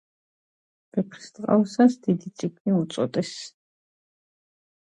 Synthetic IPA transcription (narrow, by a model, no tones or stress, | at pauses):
b̥ɛpʰɾi̥st̪ʼqʼa̰wsasd̪id̪it̪sʼiɡniut̪sʼɔt̪ʼɛs